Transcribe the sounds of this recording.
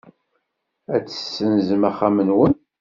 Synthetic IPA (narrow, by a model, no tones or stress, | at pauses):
æt͡sːə̥sːənzəmæχæmənwən